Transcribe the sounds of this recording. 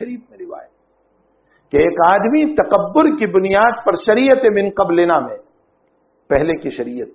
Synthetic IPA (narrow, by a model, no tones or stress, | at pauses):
ɐɾiːbmẽɾɪʋa̰ːjət̪ | keeːkaːd̪mit̪ɐqɐbːʊɾkibʊnijaːd̪̚pɐɾʃɐɾiːjət̪ẽmɪ̃nqɐbleːnamẽ | pɛɦlekiʃɐɾiːjət̪̚